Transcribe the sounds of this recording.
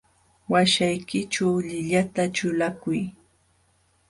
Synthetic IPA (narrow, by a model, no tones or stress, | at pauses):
waʃajkɪt͡ʃawʎɪʎat̪at͡ʃʊlakʊj